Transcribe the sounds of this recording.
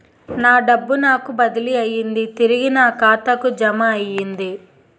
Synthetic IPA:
naːɖɐbːunaːkubɐd̪iliɐjind̪it̪iɾiɡinɐːkaːt̪ɐkud͡ʒɐmɐːjːind̪i

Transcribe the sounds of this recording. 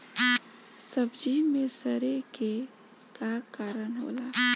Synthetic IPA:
səbd͡ʒimẽsəɾeke | kakaːɾənɦo̰ːlaː

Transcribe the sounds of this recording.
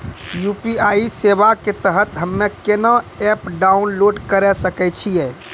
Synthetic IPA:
jupiaisebaket̪əɦət̪ɦəmːekenəɛpɖaunloɖkəɾɛsəkɛt͡ʃʰijɛ

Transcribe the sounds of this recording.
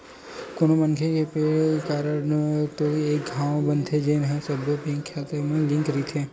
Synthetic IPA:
konomənkʰekepekaɾət̪oek̚ɡʱãʋbənd̪ʱʰed͡ʒenɦãsəbʱjopĩŋkʰjat̪əmãlĩŋkɾit̪ʰe

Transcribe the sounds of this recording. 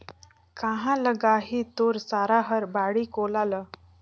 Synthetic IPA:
kaɦãləɡaɦiːt̪oɾsaɾaɦəɾbaɽiːkolaləː

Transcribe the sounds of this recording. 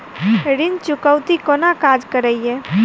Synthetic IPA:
ɾɪnt͡ʃʊkəwt̪ikonakaːd͡ʒkəɾəiɛː

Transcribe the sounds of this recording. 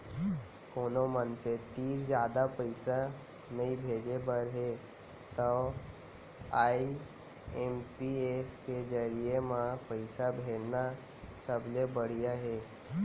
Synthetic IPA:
koːnomənset̪iːɾd͡ʑjaːd̪apəjsa | nəibʱed͡ʒebəɾɦe | t̪ə | ai | empiesked͡ʒəɾijemãpəjsabʱena | səblebəɽ̤ijaɦe

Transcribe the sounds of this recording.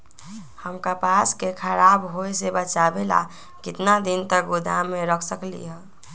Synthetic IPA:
həmkapaskekʰəɾabɦoesebət͡ʃabela̰ | kɪt̪nad̪ɪnt̪ək̚ɡʊd̪ʱa̰mẽɾəkʰsəklḭɦɛ

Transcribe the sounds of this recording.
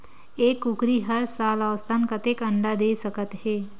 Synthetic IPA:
eːkukɾiːɦəɾsalaʋəst̪ʰankət̪ekəɳɖad̪esəkət̪ɦe

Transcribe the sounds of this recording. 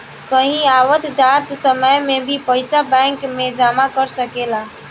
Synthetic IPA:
kəɦĩaʋət̪d͡ʒat̪səməjmebʱipəɪsabɛ̃ŋkmed͡ʒamakəɾsəkela

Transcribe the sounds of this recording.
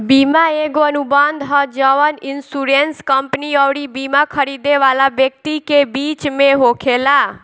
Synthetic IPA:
bimaeɡoənubãnd̪ɦəd͡ʒəʋənɪnsuɾenskəmpniəʋɽibimãkʰəɾid̪eʋalabjək̚t̪ikebit͡ʃmẽɦokʰela

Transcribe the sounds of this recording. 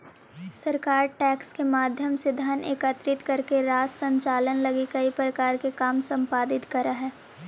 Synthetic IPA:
sɐɾkaːɾʈɛːkskemaːd̪ʱjəmsed̪ʱaːneːkət̪ɾɪt̪kɐɾkeɾaːd͡ʒsɐ̃ɲt͡ʃaːlənlɐɡikɐipɾɐkaːɾkekaːmsɐ̃mpaːd̪ɪt̪kɐɾaɦɛː

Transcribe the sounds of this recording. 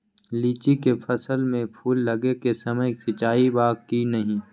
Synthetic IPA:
liːt͡ʃikepʰɐsəlmẽpʰuːlːɐɡekesɐməjsɪt͡ʃaːibaːkkinɐɦĩː

